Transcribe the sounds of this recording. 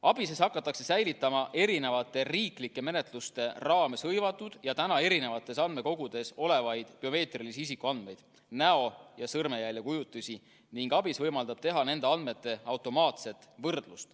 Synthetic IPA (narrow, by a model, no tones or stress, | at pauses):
ɑb̥ise̞sɑkːˑɑt̪ːˑɑkse̞sæjlit̪ːˑɑmɑʔe̞ɾine̞vɑt̪ːˑe̞riːklikːˑe̞me̞ne̞t̪ˑlust̪e̞rɑːme̞shɤjvɑt̪ːˑud̪̥jɑt̪ænɑe̞ɾine̞vɑt̪ːˑe̞sɑnme̞ko̞ɡ̥ud̪̥e̞so̞le̞vɑjd̪̥pio̞me̞ːt̪ˑrilisiis̬ikːuɑnd̪me̞jd̪̥ | næo̞jɑsɤrme̞jælʲːekujut̪ːˑusʲi | niŋɡ̥ɑb̥isvɤjmɑld̪ɑb̥̚t̪e̞ɦɑne̞nd̪e̞ɑnd̪met̪ˑːe̞ɑwt̪ˑo̞mɑːt̪se̞t̪ːˑvɤrd̪̥lust̪